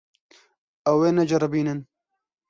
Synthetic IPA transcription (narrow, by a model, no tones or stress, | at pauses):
ɐweːnɐd͡ʒɐɾɐbiːnɨn